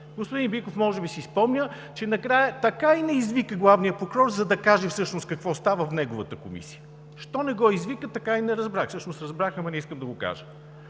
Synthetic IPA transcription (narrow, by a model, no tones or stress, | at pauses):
ɡospʊd̪inbikofmɔʒɛbisispɔmnʲə | t͡ʃɛnɐkɾajət̪ɐkainɛizvikəɡlˠavnijəpokɾɔɾzɐd̪ɐkaʒɛfsɤʃnoskɐkvɔst̪avəfnɛɡʊvət̪əkomḭsi̥jə | ʃt̪ɔnɛɡɔizvikət̪ɐkainɛɾɐzbɾaxfsɤʃnosɾɐzbɾaxɐmɐnɛiskəmd̪ɐɡoka̰ʒə